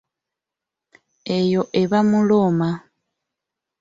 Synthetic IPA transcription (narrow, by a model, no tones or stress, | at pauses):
ejo̞ʔeβamuloma